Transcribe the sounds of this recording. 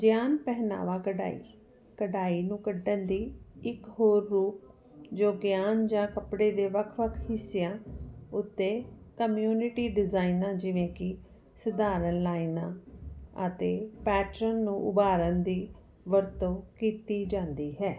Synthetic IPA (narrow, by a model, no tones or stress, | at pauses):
d͡ʒjaːnpɛɦna̰ːʋaːkəɖa̰ːḭː | kəɖaːiːnũːkəɖənd̪iːɪkɦoːɾːuːp̚ | d͡ʒoːɡjaːnd͡ʒãːkəpɽeːd̪eːʋəkʰʋəkʰhɪsɪjãːʊt̪ːeːkəmjuːnɪʈiːɖɪzaːinãːd͡ʒɪʋẽːkɪ | səd̪aːɾənlaːinãːət̪eːpɛːʈɾənːũːʔʊbaːɾənd̪iː | ʋəɾt̪õːkiːt̪iːd͡ʒãːnd̪iːɦɛː